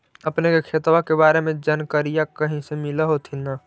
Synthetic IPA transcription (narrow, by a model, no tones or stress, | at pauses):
əpnekekʰeːt̪wakebaːɾemẽd͡ʒankəɾijakəɦĩsemɪlaɦot̪ʰina